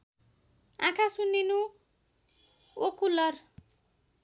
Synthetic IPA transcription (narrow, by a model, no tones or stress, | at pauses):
ãkʰasunːinu | okulʌr